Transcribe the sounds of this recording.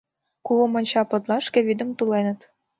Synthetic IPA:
kulomɤ̆nʲt͡ɕɑpɤ̆t̪lɑʃkĕβid̪ə̆mt̪ulenə̆t̪

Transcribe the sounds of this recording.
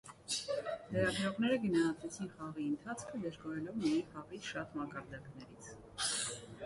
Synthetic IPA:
lɛɾɑɡɾɔʁnɛɾəɡənɑhɑt̪ɛt͡sʰinχɑʁiənt̪ʰɑt͡sʰkʰəd̪əʒɡɔɾɛlɔvmijɛjnχɑʁit͡sʃɑt̪mɑkɑɾd̪ɑknɛɾit͡sʰ

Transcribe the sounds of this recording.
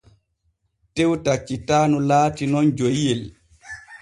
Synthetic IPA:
tɛwtat͡ʃːitaːnulaːtinɔnd͡ʒojjɛl

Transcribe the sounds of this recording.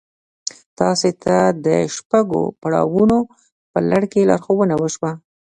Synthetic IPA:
t̪ɑset̪ʰad̪əʃpaɡo̰paɽɑ̰wuno | pəlaɽkelɑ̰ɾxowənawəʃwa

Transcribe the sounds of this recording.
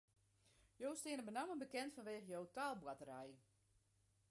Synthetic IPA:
jowstɪənəbənamənbəkɛntfɔnʋeːɣəjowtaːlˠbwatəɾɛj

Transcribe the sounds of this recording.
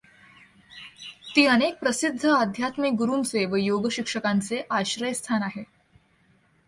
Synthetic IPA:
t̪iːənek̚pɾəsid̪ʱːəad̪ʱjat̪mik̚ɡuɾuːnt͡seʋəjoɡəɕikʂəkant͡seʔaɕɾəjst̪ʰanaɦe

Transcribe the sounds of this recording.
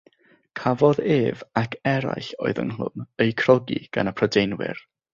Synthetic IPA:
kʰavɔðeːvakʰɛɾa̰jɬoɨðə̰nɦlˠʊ̰nejkʰr̥ɔɡḭɡ̥a̰nəpʰrɔdejnwɪ̰r

